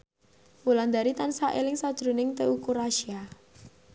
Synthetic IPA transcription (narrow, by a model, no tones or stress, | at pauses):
wuland̪aɾit̪ansaʔelɪŋsad̥ʒ̥ɾṳnɪŋt̪eukuraʃia